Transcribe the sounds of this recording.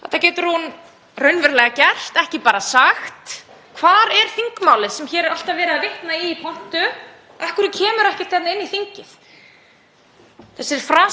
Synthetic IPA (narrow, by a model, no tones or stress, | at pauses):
θɛ̰t̪ːacɛːt̪ʏɾhun | rœɥnvɛɾlɛɣacɛr̥t̪ɛhcɪpaːɾasaxt̪ | kʰvaːɾɛɾ̥θiŋkmaːwlɪðsɛmçɛːɾɪɾal̥t̪avɛːɾɪavɪht̪naiːpʰɔn̥t̪ʏ | ɛhkʏɾʏcʰɛːmʏɾɛhcɪ̥t̪θɛt̪nɪnːiθiɲcɪθ | θɛsːɪɾ̥fɾaː